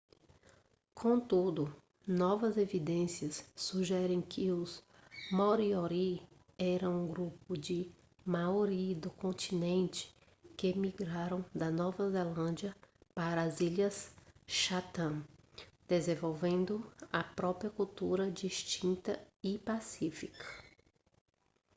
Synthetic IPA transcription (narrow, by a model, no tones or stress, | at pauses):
kʰõt̪ud̪ʊ | nɔvɐzevid̪ẽsiɐssuʒɛɾẽj̃kʰɪʊzmoɾioɾi | ɛɾɐ̃ũɡɾupʊd͡ʒɪ | mawɾid̪ʊkõnt͡ʃ̪inẽnt͡ʃɪ̥ | kɪmiɡɾaɾɐ̃w̃d̪ɐnɔvɐzelɐ̃nd͡ʒiɐpaɾɐːziʎɐsʃat̪ɐ̃d̪̥ezẽvowvẽnd̪ʊɐpɾɔpɾiɐkuwt̪uɾɐd͡ʒiʃt͡ʃĩnt̪ɐɪpasifikɐ̥